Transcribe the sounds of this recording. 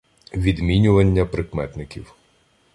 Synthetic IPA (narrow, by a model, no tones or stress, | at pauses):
ʋʲid̪mʲinʲʊʋɐnʲːɐpɾɪkmɛt̪nɪkʲḭw